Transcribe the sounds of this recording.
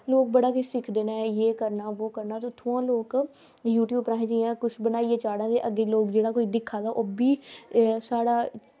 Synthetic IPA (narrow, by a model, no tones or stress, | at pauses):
loːk̚bəɽaːkʊt͡ʃsɪkʰd̪eːnaːjeːkəɾnaːʋoːkəɾnaːt̪ot̪ʰːoãːloːk | juːʈjuːbpɾaːĩd͡ʒiãːkʊʃʰbənaːieːt͡ʃaːɽãːd̪eːʔəɡːeːloːkd͡ʒeːɽaːkoːiːd̪ɪkʰːaːd̪aːʔoːbiːsaːɽaː